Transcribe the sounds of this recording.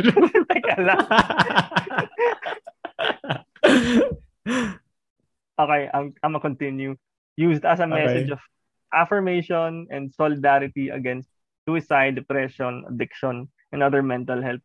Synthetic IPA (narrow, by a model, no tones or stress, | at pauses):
t̪ɐɡɐla | ʔoːkejʔɐŋʔɐmɐkɔnt̪ɪnju | juːst̪ɐsɐmɛsɛd͡ʒɔv̥ | ʔafɐɹmeɪʃɔnɛ̃nd̪solɪd̪aɾɪt̪iɐ̰ɡɛnst̪̚ | suɪsajd̪ɛpɹɛʃɔ̃nɐ̰d̪ɪkʃɔ̃n | ʔɛ̃nɐd̪əɹmɛnt̪ɐlhɛlp̚